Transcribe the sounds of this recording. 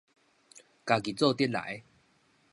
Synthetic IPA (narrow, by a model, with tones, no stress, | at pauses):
ka˨˩ki˨˩t͡sɔ˥˧t̪ji˦˥t̚la̰˨˦j